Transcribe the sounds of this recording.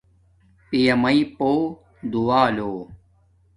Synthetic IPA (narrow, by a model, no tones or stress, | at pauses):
pijɐmɐipoː | d̪uaːloː